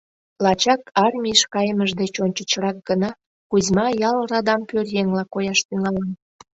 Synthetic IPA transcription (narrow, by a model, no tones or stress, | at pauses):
lɑt͡ɕɑkɑrmʲiəʃkɑjəməʒd̪et͡ɕonʲt͡ɕət͡ɕrɑk̚ɡ̥ənɑ | kuzʲmɑjɑlrɑd̪ɑmpørjeŋlɑkojɑʃt̪yŋɑlɑn